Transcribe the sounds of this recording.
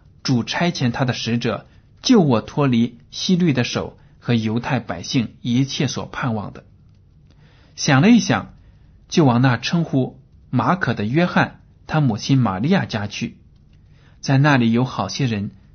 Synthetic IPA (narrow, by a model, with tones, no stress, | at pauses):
ʈ͡ʂu˨˩ʈ͡ʂʰa˥ɪt͡ɕʰjɛ˧˥nt̪ʰa˥d̪ə˨ʂɻ̩˧˥ʈ͡ʂɤ˨˩ | t͡ɕjo˥˩ʊwɔ˨˩t̪ʰwɔ˥li˧˥ɕi˥ly˥˩d̪ə˩ʂo˨˩ʊ | xɤ˧˥jo˧˥ʊt̪ʰa˥˩ɪpa˨˩ɪɕi˥˩ŋi˧˥t͡ɕʰjɛ˥˩swɔ̰˨˩pʰa˥˧nwɑ˥˩ŋd̪ə˩ | ɕjɑ˨˩ŋlə˦i˥˩ɕjɑ̰˨˩˦ŋ | t͡ɕjo˥˩ʊwɑ˨˩ŋna˥˩ʈ͡ʂʰɤ˥ŋxu˥ | ma˧˥kʰɤ˨˩d̪ə˦ɥɛ˥xa˥˩n | t̪ʰa˥mu˨˩t͡ɕʰi˥nma̰˨˩li˥˧ja˥˩t͡ɕja˥t͡ɕʰy˥˩ | t͡sa˥˧ɪna˥˩li˨˩jo˧˥ʊxɑ˨˩ʊɕjɛ˥ɻə˧˥n